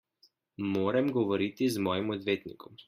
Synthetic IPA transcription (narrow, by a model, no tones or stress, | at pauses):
moːɾɛmɡɔʋɔɾit̪izmɔːjimɔd̪ʋeːt̪nḭkɔm